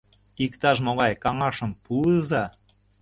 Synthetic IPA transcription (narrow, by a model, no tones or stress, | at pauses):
ikt̪ɑʃ̬moɣɑjkɑŋɑʃɤ̆mpuəzɑ